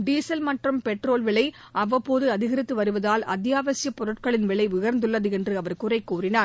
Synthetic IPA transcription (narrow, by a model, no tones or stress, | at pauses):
ɖiːsɐlmɐʈrɯmpɛʈroːlʋɪɭɐɪ | ʔɐʋɐpoːðɯɐðɪɣɐɾɪt̪ːɯʋɐɾɯʋɐðaːlɐ̰t̪ːjaːʋɐsɪjɐpɔɾɯʈkɐɭɪnʋɪɭɐɪʋɪɣɐɾnd̪ɯɭːɐðɯɛndrɯɐʋɐɾkʊrɐɪkːuːrɪnaːɾ